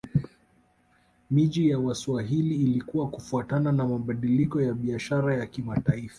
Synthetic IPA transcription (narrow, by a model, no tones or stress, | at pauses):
miʄijawaswaɦiliːlikuwakufuatananamaɓaɗilikɔjaɓiaʃaɾajakimataifḁ